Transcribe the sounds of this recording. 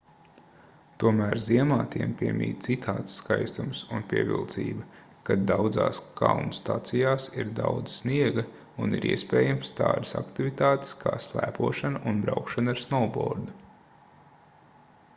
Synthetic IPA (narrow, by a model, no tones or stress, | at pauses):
t̪uɔmæːɾziɛmaːt̪iɛmpʲiɛmʲḭːt̪sit̪ʰaːt̪sːkajst̪umsunpʲiɛvḭlˠt̪sḭːbɐ | kad̪awd̪zaːskʰawnst̪at̪sijaːsiɾd̪awd̪zsniɛɡɐ | unḭɾʔḭɛspɛːjamst̪a̰ːɾisakt̪ivit̪aːt̪e̥skʰa̰ːslˠæ̰ːpuɔʃanɐʔunbɾawkʃanaɾsnɔlbɔ̰ːɾd̪u